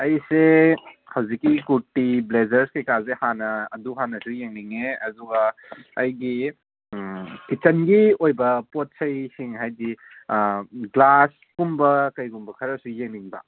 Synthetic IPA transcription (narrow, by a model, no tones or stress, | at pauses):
ɐjsehawzikːikutiblezɐɾskejkazehanɐ̰ːduɦanɐsujeŋniŋeɐduɡɐːjɡi | kit͡ʃɐnɡiojbɐpot̚sɐjsiŋɦajdi | ɡlas | kumbɐkɐjɡumbɐkʰɐɾɐsujeŋniŋbɐ̰